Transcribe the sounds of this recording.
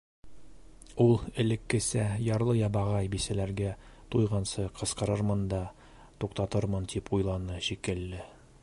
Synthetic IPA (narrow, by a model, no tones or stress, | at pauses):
ulˠɘ̆lɘ̆kːɘ̆sæjɑɾlˠɤjɑbɑʁɑjbisælæɾɡæt̪ujʁɑnsɤqʰɤ̆sqɤ̆ɾɤɾmɤnd̪ɑ | t̪uqt̪ɑt̪ɤɾmɤnt̪ipujlˠɑnɤɕikɘ̆lːɘ